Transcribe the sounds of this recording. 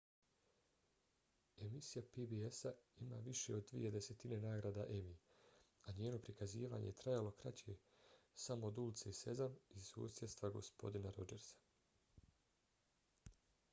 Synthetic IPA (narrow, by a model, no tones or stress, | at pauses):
e̞misijapibiesaima̰ːʋiʃe̞od̪̚ːʋḭje̞d̪e̞se̞t̪ine̞naːɡɾaːd̪aʔe̞miaɲeːno̞pɾikaziːʋa̰ːɲejet̪ɾajalˠo̞kɾa̰t͡ɕe | samo̞ːd̪ulit̪sese̞zanisṵːsjet̪st̪ʋaɡo̞̰spo̞̰d̪inaɾo̞d͡ʒe̞ɾsḁ